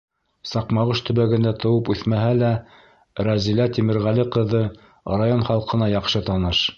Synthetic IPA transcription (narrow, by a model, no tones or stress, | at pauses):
sɑqmɑʁɤʃt̪ɵ̆βæɡɘ̆nd̪æt̪ɤ̆wɤpʉθmæɦælæ | ɾæzilæt̪imɘ̆ɾʁæliqɤ̆ðɤ | rajonχɑlˠqɤ̆nɑjɑqʃɤt̪ɑnɤʃ